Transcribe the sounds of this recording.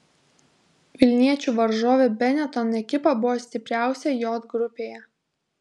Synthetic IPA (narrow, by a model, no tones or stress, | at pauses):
ʋʲɪlʲnʲiɛt͡ʃʲuːʋɐɾʒoːʋʲebʲɛnʲɛt̪ɔnɛkʲɪpɐbʊʋoːsʲt̪ʲɪpʲɾʲæˑʊsʲɛjoːd̪ɡɾʊpʲeːjɛ